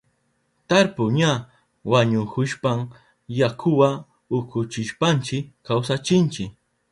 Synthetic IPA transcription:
t̪aɾpʊɲa | waɲʊkʊʃpam | jakʰʊwa | ʊkʊt͡ʃɪʃpant͡ʃɪkːawsat͡ʃɪnt͡ʃɪk

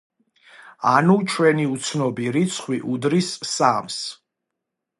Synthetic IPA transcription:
anut͡ʃʰwɛniut̪sʰnɔbiɾit̪sʰχwiʔud̪ɾisːams

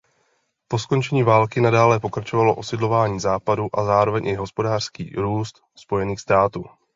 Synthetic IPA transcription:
po̞sko̞nt͡ʃɛɲiːvaːlkɪnadaːlɛpo̞kɾat͡ʃo̞valo̞ʔo̞sɪdlo̞vaːɲiːzaːpaduʔazaːɾo̞vɛɲʔɪɦo̞spo̞daːr̝̥skḭːɾuːst̪ | spo̞jɛniːxst̪aːt̪uː

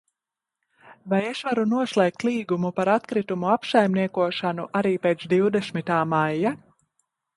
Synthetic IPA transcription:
vajeʃvaɾunuɔslˠeːk̚t̪lˠiːɡumupaɾat̪kɾit̪umuapsajmniɛkuɔʃanuʔaɾiːpeːt̪sd̪iwd̪esmit̪aːmajːa

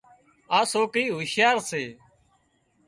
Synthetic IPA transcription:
aːsoːkiːɦʊʃjaːɾseː

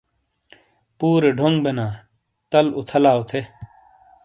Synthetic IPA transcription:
puːɾeɖʱoŋɡbenaː | t̪ɐlut̪ʰɐlaːut̪ʰe

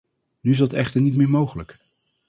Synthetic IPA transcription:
nyɪsdɑtɛχtəɹnitmɪːɹmowχələk

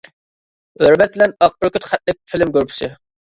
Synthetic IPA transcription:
øɾmɛt̪̚bɪlɛnɑq̚bʊɾkʲʰyt̪χæt̪̚lɪk̚ʲfʰɪlɪmɡʲøɾpʰɪ̥sɪ

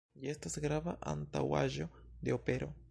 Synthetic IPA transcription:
jie̞stasɡɾavaʔa̰nta̰wa̰ʒo̞de̞o̞pe̞ɾo̞

